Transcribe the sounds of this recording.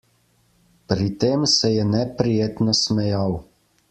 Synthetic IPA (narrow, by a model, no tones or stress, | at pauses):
pɾit̪eːmsɛjɛnɛpɾijeːt̪nɔsmɛjaw